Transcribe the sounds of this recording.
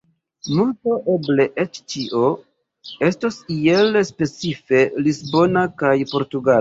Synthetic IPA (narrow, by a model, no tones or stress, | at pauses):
multo̞ʔe̞ble̞ʔe̞t͡ʃt͡ʃiʔo̞ | e̞stasielspe̞t͡sife̞lisbo̞nakajpo̞ɾtuɡal